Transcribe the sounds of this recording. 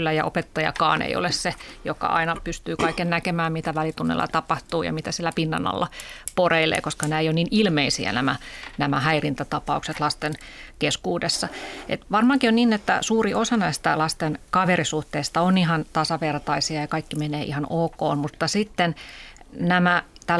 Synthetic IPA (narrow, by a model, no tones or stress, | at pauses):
lːæjɑ̰ʔo̰pet̪ːɑjɑ̰kɑ̰ːnḛijo̰lessejokɑ̰ʔɑ̰inɑpyst̪yːkɑikennækemæːmmit̪æʋælit̪unːḛlːɑ̰t̪ɑpɑht̪uːjɑ̰mit̪æsilæpinːɑ̰nɑ̰lːɑ̰poreilḛːkoskɑnæːeijoninilmeisiæ̰næmænæmæhæirint̪æt̪ɑpɑukset̪lɑst̪enkeskuːdesːɑḛt̪ʋɑrmɑːŋkionniːnːet̪ːæsuːriʔosɑnæist̪æ̰lɑst̪enkɑʋerisuht̪eːst̪ɑoniɦɑnt̪ɑsɑʋert̪ɑisiɑjɑkɑikːimeneːḭhɑnoːko̰ːmmut̪ːɑsit̪ːen | næmæt̪æ